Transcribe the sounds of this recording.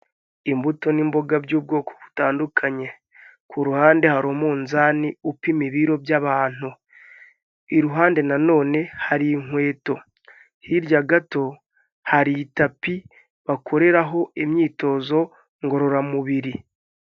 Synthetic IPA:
imbuto̞nimbo̞ɡabɟuːb̚ɡo̞ːkʰo̥βu̥taːndukʰaɲe̞ | kʰuɾuhaːnde̞haɾomuːnzaːniupimiβiɾo̞bjaβaːn̥u | iɾuɦaːnde̞nano̞ːne̞haɾiŋ̥we̞ːto̞ | hiɾjaɡato̞ | haɾitapi | βakʰo̞ɾe̞ɾaɦo̞emɲiːto̞ːzo̞ | ŋɡo̞ɾo̞ɾamuβiɾi

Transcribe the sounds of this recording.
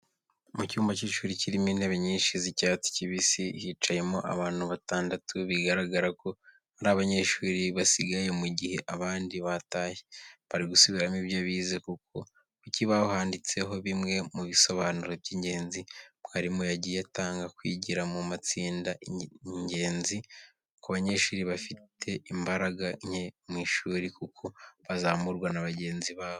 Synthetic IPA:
mucuːmbaciʃuːɾiciɾimiːnhe̞βeɲiːnʃizicat͡si̥ciβisihit͡ʃaje̞moʔa̰βaːn̥huβataːndatuβiɡaɾaɡaɾako̞ | haɾaːβaɲe̞ʃuːɾiβasiɡaje̞muɟihe̞ʔaβaːndiβataːjeβaɾiɡusuβiɾamiβjoβiːzekukʰo̞ | kuciβaɦaːndit͡se̞ɦo̞βimŋe̞muβiso̞βaːnuɾo̞bjiːɲɟe̞ːnzibɡaɾimujaɟijataːŋɡakwḭːɟiɾamumat͡siːndaɲɟe̞ːnzi | kaβaɲe̞ʃuːɾiβafitʰe̞imbaɾaɡaɲemwiːʃuːɾikukʰo̞βazamuɾɡwanaβaɟe̞ːnziβaːβo

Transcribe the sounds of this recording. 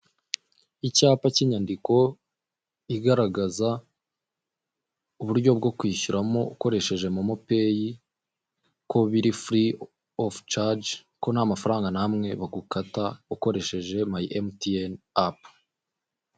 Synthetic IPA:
icaːpaciːɲandiko̞ | iɡaɾaɡaza | uβuɾɟo̞b̚ɡo̞kwiːʃuɾamo̞uko̞ɾe̞ʃe̞ʒe̞mumupe̞ːji | ko̞βiɾifɾi | oft͡ʃad͡ʒ | ko̞nhamafaɾaːŋɡanamŋe̞βaɡukatauko̞ɾe̞ʃe̞ʒe̞maʔemtien | ap

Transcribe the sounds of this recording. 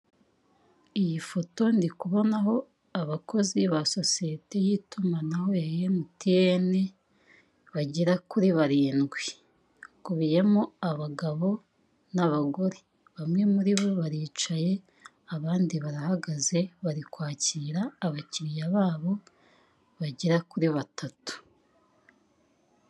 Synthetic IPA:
ijifo̞to̞ndikuβo̞naɦo̞ | aβakʰo̞ziβaso̞sijete̞jitumanaho̞jajemutiene | βaɟiɾakuɾiβaɾiːnɡwi | kuβije̞moaβaɡaβo̞ | naβaɡo̞ɾe | βamŋe̞muɾiβo̞βaɾiːt͡ʃaje̞ | aβaːndiβaɾahaɡaze̞βaɾikwaːciːɾaːβaciɾijaβaːβo̞ | βaɟiɾakuɾiβatʰatu̥

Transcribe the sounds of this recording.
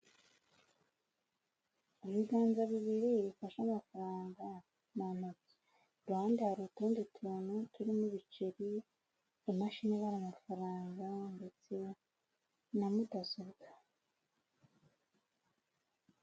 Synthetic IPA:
iβiɡaːnzaβiβiɾiβifaʃamafaɾaːŋɡa | nanot͡si̥ | ɾaːndihaɾutuːnditʰunutuɾimuβit͡ʃeɾi | emaʃineβaɾamafaɾaːŋɡande̞t͡se̞ | namudazuβɡa

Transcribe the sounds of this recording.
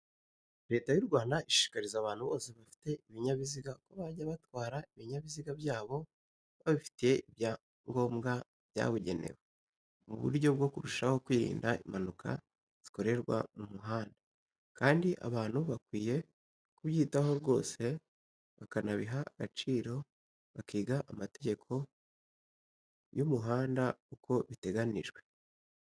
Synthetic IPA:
ɾe̞ːtajuɾɡwaːndaiʃi̥ʃi̥kaɾizaːβaːn̥huβo̞ːse̞βafi̥te̞iβiɲaβiziɡako̞βaɟaβatwaːɾaiβiɲaβiziɡabjaːβo̞ | βaβifi̥tije̞iβja | ŋɡo̞ːmɡa | βja̰βuɟe̞̰ne̞̰we | mṵβṵɾɟo̞b̚ɡo̞kuɾuʃaho̞kwiːɾḭːndaimanukʰa̰ | z̥i̥ko̞ɾe̞ɾɡwa̰mumuɦaːnda | kaːndiʔa̰βaːn̥huβakwiːje̞ | kuβjiːtaho̞ɾɡo̞̰ːse̞ | βakanaβiɦaɡ̥at͡ʃiːɾo̞ | βakiːɡaʔamate̞ɟe̞kʰo̞ | jumuɦaːndaukʰo̞βite̞ɡaniʒɡwe̞

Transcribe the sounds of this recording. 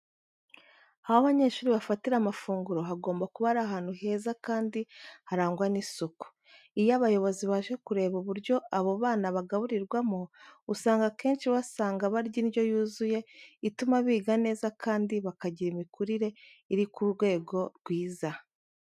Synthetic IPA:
ahoβaɲe̞ːʃuːɾiβafatiɾamafuːŋɡuɾo̞ɦaɡo̞ːmbakuβaɾaɦaːn̥huɦe̞ːzakaːndihaɾaːŋɡwanisuku̥ | ijaβajo̞βo̞ziβaʒe̞kuɾe̞ːβuβuɾɟo̞ʔaβo̞βaːnaβaɡaβuɾiɾɡwamousaːŋɡake̞ːnʃiβasaːŋɡaβaɾɟijo̞juːzuje̞itumaβiːɡane̞ːzakʰaːndiβakaɟiɾimikuɾiɾe̞iɾikuɾɡwe̞ːɡo̞ɾɡwiːza

